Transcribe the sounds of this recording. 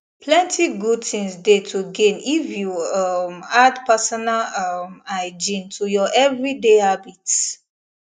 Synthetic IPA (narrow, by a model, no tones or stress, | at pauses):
pʰlɛ̃ntʰiɡud̚tĩŋsdetʰuɡẽnifjuʌmadpasɔnalʌmaɪd͡ʒĩntʰujɔʔɛvɹideabit